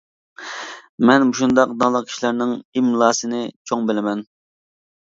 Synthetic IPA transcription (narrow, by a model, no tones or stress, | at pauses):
mɛnmuʃund̪ɑqd̪ɑlˠəqkʰʲi̥ʃlæɾnɪŋimlˠɑːsɨnɪt͡ʃʰoŋbɪlɪmɛn